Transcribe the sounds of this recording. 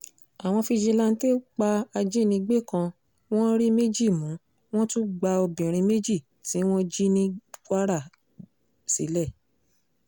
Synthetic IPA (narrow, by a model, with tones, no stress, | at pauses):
a˨w̃ɔ̃˧fi˧d͡ʒe˧lã˧n̩˦te˦k͡pa˧a˧d͡ʒe˦nĩ˧ɡ͡be˦˨kã˧ | w̃ɔ̃˦ɾi˦me˦d͡ʒi˦˨mũ˨˦ | w̃ɔ̃˦tũ˦ɡ͡ba˧o˧bĩ˨ɾ̃ĩ˧me˦d͡ʒi˦˨ | tĩ˨˦w̃ɔ̃˦d͡ʒi˦nĩ˦ka˦ɾa˦˨ | sḭ˨˦lɛ˦˨